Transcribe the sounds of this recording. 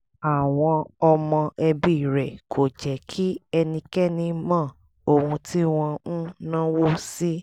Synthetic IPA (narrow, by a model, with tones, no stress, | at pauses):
a˨w̃ɔ̃˧ɔ˧mɔ̃˧ʔɛ˧bi˦˨ɾɛ˨kʰo˨d͡ʒɛ˨kʰi˦ɛ˧nĩ˧kɛ˦nĩ˧mã˦˨ | o˨hũ˧ti˦w̃ɔ̃˧ũ˦nã˦wo˦si˦